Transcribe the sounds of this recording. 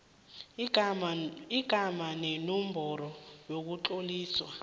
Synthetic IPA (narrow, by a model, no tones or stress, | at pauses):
iɡ̥ʱamanenum̩bʱɔɾɔjok̬uǁoliːswa